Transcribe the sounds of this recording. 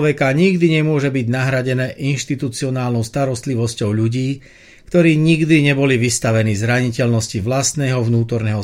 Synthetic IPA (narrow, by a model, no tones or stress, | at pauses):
ʋɛkaɲiɡd̪iɲɛmʊɔʒɛbiɟnaɦɾaɟɛnɛːʔinʃt̪it̪ut͡siɔnaːlnɔʊst̪aɾɔst̪liʋɔscɔʊʎuɟiː | kt̪ɔɾiːɲiɡd̪iɲɛbɔliʋist̪aʋɛniːzɾaɲicɛʎnɔsciʋlast̪nɛːɦɔvnuːt̪ɔɾnɛːɦɔ